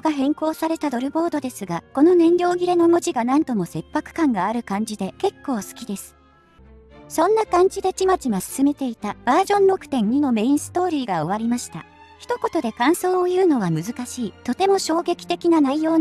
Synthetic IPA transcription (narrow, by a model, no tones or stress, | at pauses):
ɡaɦẽ̞ŋko̞ːsaɾe̞t̪ad̪o̞ɾɯ̟bo̞ːd̪o̞d̪e̞sɨɡako̞no̞nẽ̞nɾʲo̞ːɡʲiɾe̞no̞moʑiɡanãnt̪o̞mo̞se̞pːakɯ̟̥kãŋɡaːɾɯ̟kãɲ̟d͡ʑid̪e̞ke̞kːo̞ːsɨ̥kʲid̪e̞sɨ̥ | sõ̞nːakãɲ̟d͡ʑid̪e̞t͡ɕimat͡ɕimasɨ̥sɨme̞t̪e̞it̪ab̥aːʑõ̞nɾo̞kɯ̟̥t̪ẽ̞ɲɲino̞me̞ĩɰ̃sɨ̥t̪o̞ːɾʲiːɡao̞β̞aɾʲimaɕi̥t̪a̰ | çi̥t̪o̞ko̞t̪o̞d̪e̞kãɰ̃so̞ːojɯ̟ːno̞β̞amɯ̟zɨkaɕiːt̪o̞t̪e̞mo̞ɕo̞ːɡe̞kʲi̥t̪e̞kʲinanaijo̞ː